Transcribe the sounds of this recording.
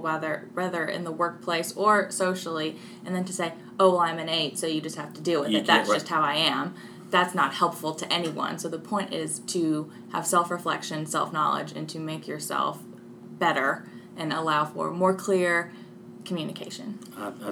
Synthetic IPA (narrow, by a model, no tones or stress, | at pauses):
wɛðə˞wɛðə˞ɪ̰̃nðəwɜ˞k̚pʰl̥eɪsə˞soʊʃl̩ˠi | ɨ̃nðɨ̃ntʰɨseɪ | oʊwlãɪ̃mɨ̃neɪd̥soʊjɨd͡ʒʌst̚hæftɨdɨɪðɨt̪̚ðætsʒ̥ʌst̚haʊaɪɨ̃m | ðætsnət̚hɛlˠpfl̩ˠtʰɨʔɛniwʌ̰̃nsoʊðəpʰɔ̃ɪ̃ntɪz̥tʰɨ | ə̰v̥sɛlˠfɹɨflɛ̰kʃɨ̃nsɛ̰lˠfnɑ̰lˠɪ̰d͡ʒɨ̰̃ntʰɨmeɪkʰjə˞sɛ̰lˠf | b̥ɛɾə˞ | ʔɨ̃nəlaʊfə̰˞mɔɹkʰl̥ɪɹ | kʰmjʉnɨkʰeɪʃɨ̰̃n